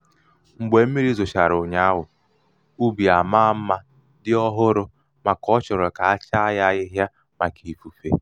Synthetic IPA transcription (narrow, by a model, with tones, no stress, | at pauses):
ŋ͡m̩˨ɡ͡be˨m̩˦mi˦ɾi˦zʊ˨ʃa˨ɾʊ˨ɲa˦a˦ɦʊ˨ | u˦bi˨a˨ma˦m̩˦ma˦ | dɪ˦ɔ˦ɦʊ˦ɾʊ˦ | ma˨kɔ˦t͡ʃʊ˨ɾɔ˨ka˨a˦t͡ʃa˦ja˦ɣɪ˦ɦja˦ | ma˨ki˨fu˨fḛ˦˨